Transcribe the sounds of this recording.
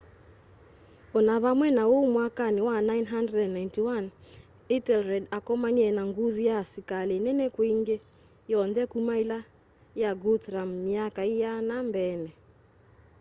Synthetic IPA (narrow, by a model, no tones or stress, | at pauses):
ɔnaβamwɛnawɔmwakaniwanajnɦandrɛdɛnːajntiwan | itɛlɾɛdakɔmaɲɛnaŋɡuðijasikalenɛnɛkwiŋɡɛ | jɔndɛkumaila | jaɡutɾamːiakaijanambɛnɛ